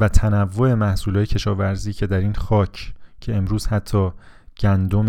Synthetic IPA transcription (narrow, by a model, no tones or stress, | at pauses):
væt̪ʰænævːo̞e̞mæhsuːlɒːjecʰe̞ʃɒːvæɾziːcʰe̞d̪æɾiːnxɒːcʰcʰe̞emɾuːz̥hæt̪ʰːɒːɟ̥ænd̪om